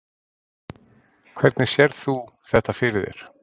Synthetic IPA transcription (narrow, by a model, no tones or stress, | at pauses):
kʰv̥ɛɾt̪nɪsjɛɾθu | θɛht̪afɪɾɪðɪ̰ɾ̥